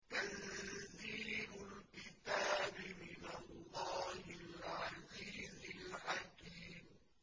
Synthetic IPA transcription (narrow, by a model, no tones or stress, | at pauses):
t̪anziːɾʊlkɪt̪aːbɪmɪnalːɑːhɪlʕaziːzɪlħakiːm